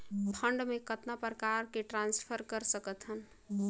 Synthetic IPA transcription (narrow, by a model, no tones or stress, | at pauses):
pʰəɳɖmekət̪napɾəkaɾkeʈɾãnspʰəɾkəɾsəkət̪ɦən